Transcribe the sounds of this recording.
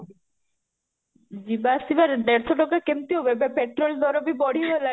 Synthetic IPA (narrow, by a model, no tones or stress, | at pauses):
d͡ʑibasiʋaɾed̪eɾsʰɔʈɔkakemt̪ioʋebepeʈɾold̪ɔɾobibɔɽ̤iola